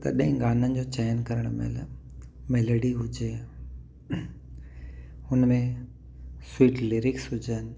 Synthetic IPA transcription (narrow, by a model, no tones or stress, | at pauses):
t̪ɐ̰ɗɐɦɪ̃ɡaːnənɪ̆d͡ʑoːt͡ɕaːjənkɐɾəɽ̃m̰l | mɛːləɽiɦʊd͡ʑeː | hʊnmẽ | swiːʈlɪɾɪksɦʊd͡ʑənɪ̆